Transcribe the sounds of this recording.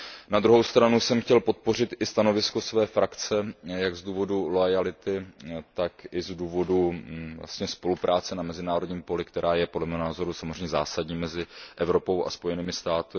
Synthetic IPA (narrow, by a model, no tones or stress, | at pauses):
nad̪ɾuɦowst̪ɾanusɛmxcɛlpo̞t̪̚po̞r̝ɪt̪ʔɪst̪ano̞vɪsko̞svɛːfɾʔakt͡sɛjaɡzd̪uːvo̞dulojalɪt̪ɪt̪akʔɪzduːvo̞duvla̰st̪ɲɛspo̞lupɾʔaːt͡sɛnamɛzɪnaːɾodɲiːmpo̞lɪkt̪ɛɾʔaːjɛpodlɛmɛːɦonaːzo̞ɾusamozrɛɲɛza̰ːsadɲiːmɛzɪʔɛvɾo̞po̞wʔa̰spo̞jɛniːmɪst̪aːt̪ɪ